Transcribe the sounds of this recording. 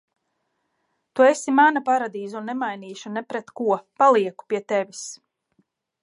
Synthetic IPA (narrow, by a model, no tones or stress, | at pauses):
t̪uesimanapaɾad̪iːzuunːɛmajniːʃunɛpɾɛt̪kuɔpalˠiɛku̥piɛt̪ɛvʲis